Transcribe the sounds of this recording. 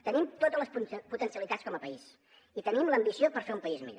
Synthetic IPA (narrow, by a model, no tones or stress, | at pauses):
t̪ənimt̪ot̪əzləspput̪ənsiəlit̪att͡sskɔməpəis | it̪ənimləmbisiopəɾfeumpəizmḭʎo